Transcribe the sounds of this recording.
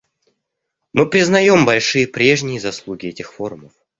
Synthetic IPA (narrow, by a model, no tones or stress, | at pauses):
mɨpɾʲɪznɐjo̞mbɐlʲʂɨjəpɾʲe̞ʐnʲɪjəzɐslˠuɡʲɪɛtʲɪxfo̞ɾʊməf